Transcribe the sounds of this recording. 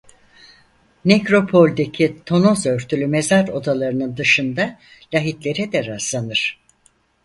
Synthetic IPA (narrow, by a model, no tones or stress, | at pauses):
necɾo̞pʰo̞lʲd̪e̞cʰit̪ʰo̞nozø̞ɾt̪ʰylʲymezaɾo̞d̪alˠaɾɯnɯnd̪ɯʃɯnd̪a | lʲaɦit̪lʲe̞ɾɛd̪ɛɾazlˠanɯɾ̥